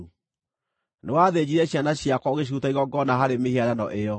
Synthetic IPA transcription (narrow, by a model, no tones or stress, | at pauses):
newaðed͡ʑiɾɛɕjanaɕiakɔɣeɕ̬utaiɣɔɡɔnaɦaɾemehiaɾanɔ̰ʔejɔ